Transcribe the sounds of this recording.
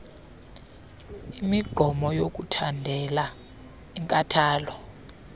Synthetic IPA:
imiɡ͡ǃʱɔmɔjok̬ʼutʰandʱɛla | iŋkʼatʰaːlɔ

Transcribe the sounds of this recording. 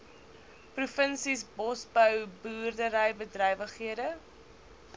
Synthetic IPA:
prufənsisbɔsbəwbuːrdəɾəjbədrəjvəχiədə

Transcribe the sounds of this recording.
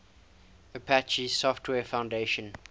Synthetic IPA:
əpʰæt͡ʃisɔftʰwɛːfãʊ̃ndeʃə̃n

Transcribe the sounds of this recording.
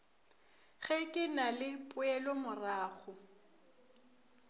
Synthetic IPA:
ɣɛkʼɪnalɪpʼʊɛlɔmʊraːɣʊ

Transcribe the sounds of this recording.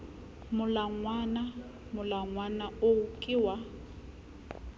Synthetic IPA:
mʊlaŋwana | mʊlaŋwanaokʼɪːwa

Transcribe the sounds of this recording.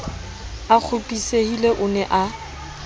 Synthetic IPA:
ak͡xʰʊpʼisehileʔʊnɛʔa

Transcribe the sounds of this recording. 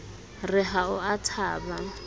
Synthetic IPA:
rɪɦaʊatʰaːba

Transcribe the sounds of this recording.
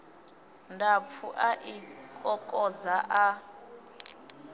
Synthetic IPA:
ndap̪fʰuʔaʔikʼɔkʼɔd͡zaʔa

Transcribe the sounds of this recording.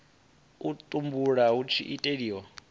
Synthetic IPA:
ut̪ʼumbuɺaɦut͡ʃʰḭʔitʼeɺiːwa

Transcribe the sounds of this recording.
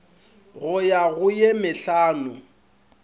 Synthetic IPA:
ɣʊjaɣʊjemɪɬaːnʊ

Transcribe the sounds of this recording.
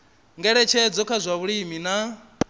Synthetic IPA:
ŋɡɛɺɛt͡ʃʰɛd͡zɔkʰazʷaβuɺimina

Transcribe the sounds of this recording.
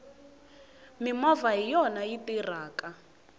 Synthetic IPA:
mimɔvaɦijɔnajitiraːka

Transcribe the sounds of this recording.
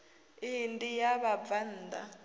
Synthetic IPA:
indijaβab̪van̩ːd̪a̰

